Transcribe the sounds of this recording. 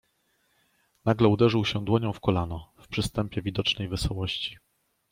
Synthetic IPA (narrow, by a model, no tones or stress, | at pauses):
naɡlɛud̪ɛʐɘwɕɛd̪wɔɲɔ̃w̃fkɔlanɔfpʂɘst̪ɛmpʲjɛvʲid̪ɔt͡ʂnɛjvɘsɔwɔɕt͡ɕi̥